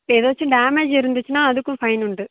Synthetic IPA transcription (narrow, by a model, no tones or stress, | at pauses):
eːðoːʋɐt͡ʃːɯɖaːmed͡ʒɪɾɯnd̪ɪt͡ʃːɯnaːɐðɯkːɯ̃fɐɪnʊɳɖɯ